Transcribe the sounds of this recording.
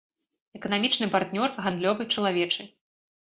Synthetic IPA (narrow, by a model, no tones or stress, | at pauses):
ɛkɐnamʲit͡ʂnɨpart̪nʲɔrɣand̪lʲɔvɨt͡ʂɐlˠavʲɛt͡ʂɨ